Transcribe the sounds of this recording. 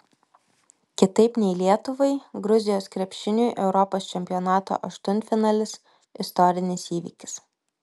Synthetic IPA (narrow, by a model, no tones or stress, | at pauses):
kʲɪt̪ɐɪpnʲɛɪlʲiɛt̪ʊʋɐɪɡɾʊzʲɪjoːskɾʲɛpʲʃʲɪnʲuːjʔɛʊɾɔpoːst͡ʃʲɛmʲpʲɪjɔnɑːt̪o̰ːʔɐʃt̪ʊnʲt̪fʲɪnɑːlʲɪs | ɪst̪ɔɾʲɪnʲɪsiːʋʲḭːkʲɪ̥s